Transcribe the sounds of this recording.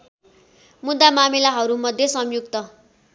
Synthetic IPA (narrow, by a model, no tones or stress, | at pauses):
mud̪ːamamilaɦʌɾumʌd̪ʱjesʌmjukt̪ʌ